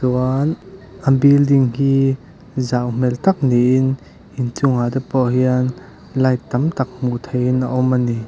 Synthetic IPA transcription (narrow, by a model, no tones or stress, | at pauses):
suən | ʔɐmbild̪ɪŋhiː | zawm̥ɛlt̪ɐk̚niʔɪn | ʔint͡sʊŋat̪ɛpɔɦiən | lɐjt̪ɐmt̪ɐk̚m̥uʔt̪ʰejinʔaʔɔmʔani